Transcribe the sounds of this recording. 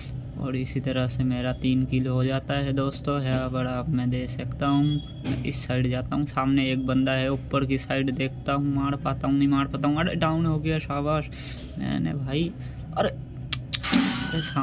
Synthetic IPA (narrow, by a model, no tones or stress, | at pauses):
ɔ̰ːɾɪsit̪ɐɾəɦsemeːɾat̪iːnkɪloɦod͡ʒaːt̪aɦɛd̪oːst̪õɦɛbɐɽaːpmɛ̃d̪eːsɐkt̪aɦũ | mɛ̰̃ʔɪsːaːɪɖd͡ʒaːt̪aɦũːsaːmneeːk̚bɐ̃nd̪aɦɛʊpːəɾkisaːɪɖd̪eːkʰt̪aɦũmaːɽpaːt̪aɦũnɐɦĩmaːɽpaːt̪aɦũɐɾḛɖaːʊnɦoːɡejaʃaːbaːʃ | mɛ̰ːnḛbʱaːi | ɔɾe | esa